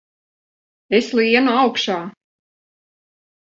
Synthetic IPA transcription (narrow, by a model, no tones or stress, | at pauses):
eslˠiɛnuawkʃaː